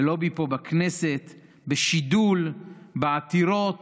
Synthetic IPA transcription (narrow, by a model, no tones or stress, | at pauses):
elo̞bipobakneset̪ | beʃid̪ulbeat̪iɾo̞t